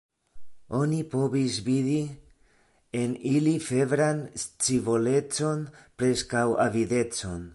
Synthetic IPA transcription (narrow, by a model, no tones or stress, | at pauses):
o̞nipo̞visviði | enilife̞vɾanst͡sivole̞t͡so̞npɾe̞skawa̰vide̞t͡so̞n